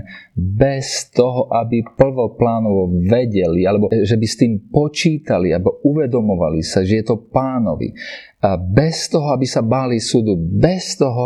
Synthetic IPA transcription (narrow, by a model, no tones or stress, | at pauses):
bɛst̪ɔɦɔʔabipl̩ʋɔplaːnɔʋɔʋɛɟɛlialɛbɔʒɛbist̪iːmpɔt͡ʃiːt̪alialɛbɔuʋɛd̪ɔmɔʋalisaʒɛjɛt̪ɔpaːnɔ̰ʋḭ | bɛst̪ɔɦɔabisabalisud̪ubɛst̪ɔɦɔ